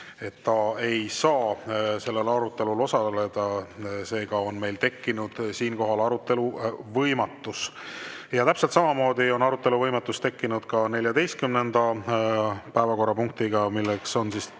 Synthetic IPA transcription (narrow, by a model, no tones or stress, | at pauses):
e̞t̪ːɑe̞jsɑːse̞lːe̞lɑɾut̪ːe̞lulo̞sɑle̞d̪̥ɑse̞ːɡ̥ɑo̞nme̞jlt̪e̞kːinud̪̥siːnko̞ɦɑlɑɾut̪ːˑe̞luvɤjmɑt̪ːˑus | jɑt̪æpselt̪sɑmɑmo̞ːd̪̥io̞nɑɾut̪ːˑe̞luvɤjmɑt̪ːˑust̪e̞kːinud̪̥kɑne̞lʲjɑd̪e̞jst̪̚kymne̞nd̪̥ɑ | pæevɑko̞rːɑpuŋk̚t̪iɡ̥ɑmilːekso̞nsis